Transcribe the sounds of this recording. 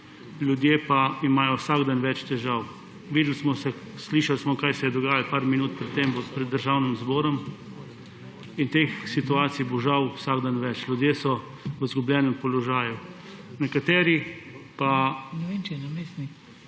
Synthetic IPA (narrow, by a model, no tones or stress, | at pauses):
lʲjud̪jepaimaːjɔwsaɡd̪anʋɛt͡ʃt̪ɛʒaw | ʋiːd̪l̩smɔsɛ | sliːʃalsmɔkaːjsɛjɛd̪ɔɡaːjalpaɾminuːt̪̚pɾɛt̪ːemʋpɾɛd̪ːəɾʒawnimzbɔːɾɔm | int̪eːxsit̪uaːt̪sijboʒawwsaɡd̪anʋɛt͡ʃlʲjud̪jeːsɔ | ʋəzɡublʲjɛːnɛmpɔlɔʒaːju | nɛkat̪ɛːɾipanɛesn